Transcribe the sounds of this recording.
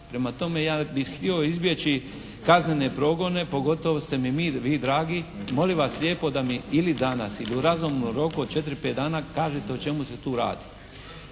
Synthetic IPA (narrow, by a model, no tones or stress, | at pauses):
pɾe̞mat̪o̞mejaːbixt̪io̞izbje̞t͡ɕi | kaznene̞pɾo̞ɡo̞ne̞po̞ɡo̞t̪o̞ʋost̪e̞mimiːʋiːd̪ɾaːɡimo̞liʋasʎʲjeːpo̞d̪amiilid̪anasiliuɾazumnuɾo̞kuod̪̚t͡ʃe̞t̪ɾipet̪d̪aːnakaːʒet̪e̞ot͡ʃe̞muse̞t̪uːɾa̰ːd̪i̥